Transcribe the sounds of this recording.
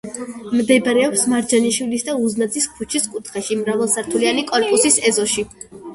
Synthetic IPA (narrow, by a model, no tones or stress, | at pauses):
md̪ɛbɾɛɔpsmaɾd͡ʒaniʃwilisd̪auznad̪ziskʰut͡ʃʰiskʼut̪ʰχaʃimɾavɛlˠsaɾt̪ʰulianikʼɔnpʼusisɛzɔʃi